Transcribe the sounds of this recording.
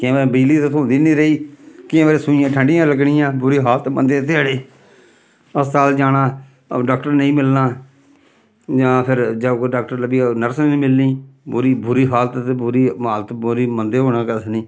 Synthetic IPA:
kẽʋebiliːt̪et̪ʰõnd̪iːniːɾəiːkɪẽːʋeːɾeːsʊijãːʈʰəɳɖɪjãːləɡɳɪjãːbʊɾiːɦaːlt̪mənd̪eːt̪eəɽeː | əssaːld͡ʒaːnãː | ɖaːkʈəɾnəĩːmɪlnaː | d͡ʒãːpʰɪɾd͡ʒaːkːɖaːk̚ʈəɾləbiːnəɾsnĩːmɪlːiːbʊɾiːbʊɾiːɦaːlət̪bʊɾiːmaːlt̪bʊɾiːmənd̪eːɦoːnaːkəsnĩː

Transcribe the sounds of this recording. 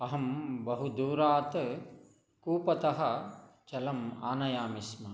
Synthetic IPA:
ɐɦɐmbɐɦud̪uːɾaːt̪ | kuːpɐt̪ɐɦɐt͡ʃɐlɐmaːnɐjaːmismɐ

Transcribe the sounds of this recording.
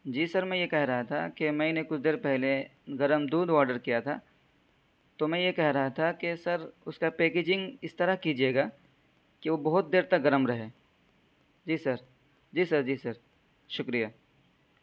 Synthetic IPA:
d͡ʒiːsɐɾmɛ̃jekɛɦɾɐɦat̪ʰa̰kemɛ̃ːnekʊt͡ʃʰd̪eːɾpɛɦleɡɐɾəmd̪uːd̪ʋaːɾɖəɾkijat̪ʰa | t̪omɛ̃jekɛɦɾɐɦat̪ʰakesɐɾʊskapeːkeːd͡ʒɪ̃ŋɡɪst̪ɐɾaɦkid͡ʒieːɡaː | keʋobɐɦʊt̪̚d̪eːɾt̪ɐk̚ɡɐɾəmɾɐɦeː | d͡ʒiːsɐɾ | d͡ʒiːsɐɾd͡ʒiːsɐɾ | ʃʊkɾijaː

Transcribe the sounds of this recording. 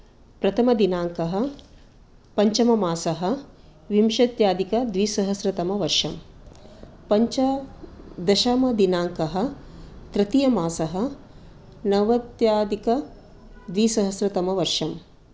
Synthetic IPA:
pɾɐt̪ʰɐmɐd̪inaːŋkɐɦɐ̆ | pɐɲt͡ʃɐmɐmaːsɐɦɐ̆ | ʋimʃɐt̪jaːd̪ikɐd̪ʋiːsɐɦɐsɾɐt̪ɐmɐʋɐɾʂɐm | pɐɲt͡ʃɐ | d̪ɐʃɐmɐd̪inaːŋkɐɦɐ̆ | t̪ɾɐt̪ijɐmaːsɐɦɐ | nɐʋɐt̪jaːd̪ikɐ | d̪ʋiːsɐɦɐsɾɐt̪ɐmɐʋɐɾʂɐm

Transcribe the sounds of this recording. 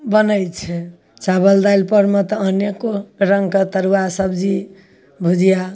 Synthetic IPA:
bənəjt͡ʃʰɛ | t͡ʃabəld̪ajlpəɾmet̪ɔːnekoɾəŋɡket̪əɾuasəbd͡ʒi | bʱud͡ʒija

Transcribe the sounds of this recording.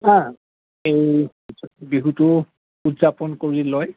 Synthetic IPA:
ã | ej | biɦutʊ | utzapɔnkoɹilɔj

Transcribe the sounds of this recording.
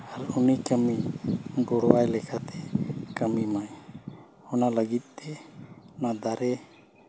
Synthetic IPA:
haɾunikəmiɡɔɽwajlɛkʰat̪ɛkəmimaj | hɔnaləɡit̪̚ˀt̪ɛnad̪aɾɛ

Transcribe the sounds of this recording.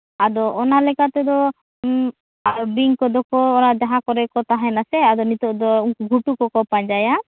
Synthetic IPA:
ad̪ɔʔɔnalɛkat̪ɛd̪ɔ | aɾɔbiŋkɔd̪ɔkɔːɾad̪ɛɦakɔɾɛkɔt̪aɦɛnasɛad̪ɔnit̪ɔʔd̪ɔɡʱuʈukɔkɔpaɲd͡ʒaja

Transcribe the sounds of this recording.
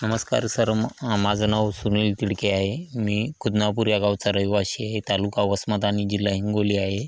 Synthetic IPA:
nəməska̰ɾsəɾmad͡znaʋsunilʈiɽkeaɦemiːkud̪napuɾjaɡaʋt͡saɾəjʋaɕiːaɦet̪alukaʋəsmat̪añid͡ʑilːaɦiŋɡoliːaɦe

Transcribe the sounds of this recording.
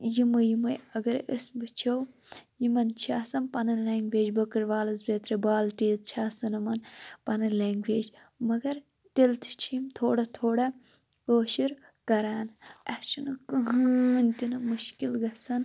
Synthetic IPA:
jimɨjimɐjɐɡɐɾisbɨt͡ʃʰɐwjimɐnt͡ʃʰaːsɐnpɐnɐnlaːŋɡʋeːd͡ʒbɐkɐɾʋaːlɐzbʲet̪ɾebaːlʈiːzt͡ʃʰaːsɐnɨmɐnpɐnɐnleːŋɡʋeːd͡ʒ | mɐɡɐɾ | t̪ʲilt̪ʰt͡ʃʰimt̪ʰoːɽɐt̪ʰoːɽɐ | oːʃiɾ | kɐɾaːnɐʃinɨkɐɦnt̪ʲinɨmuʃkilɡɐsɐn

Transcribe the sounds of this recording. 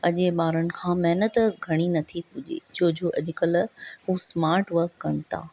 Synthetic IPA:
ɐʄeɓaːɾənɪ̆kʰãːmɛɦnət̪ɡʱɐɽ̃inɐt̪ʰikʊʄḛːt͡ɕʰoːd͡ʑoːʔɐʄɪkəlɦusmaːɾʈʋəɾkːɐnɪ̆t̪a̰ː

